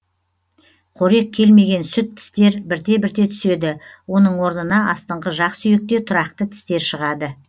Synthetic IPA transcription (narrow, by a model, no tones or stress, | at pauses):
qʰoɾe̞k̚ʲʰe̞lme̞ɡʲe̞nsʏt̪ʰːɪ̥st̪e̞ɾbɪɾt̪e̞bɪɾt̪e̞t̪ʰʏ̥se̞d̪ɪwo̞nəɴwo̞ɾnənɑɑst̪əɴʁəʒɑqsʏjek̚t̪e̞t̪ʰʊɾɑqt̪ət̪ʰɪ̥st̪e̞ɾʃəʁɑd̪ə